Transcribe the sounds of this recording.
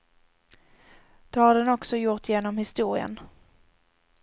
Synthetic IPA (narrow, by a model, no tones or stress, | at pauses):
d̪̥ɔhaɖ̪ɛnɔksɔjʊɾʈ̪jeːnɔmhɪst̪uːɾɪə̰n